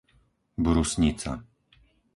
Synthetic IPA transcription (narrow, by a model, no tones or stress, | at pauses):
bɾusɲit͡sa̰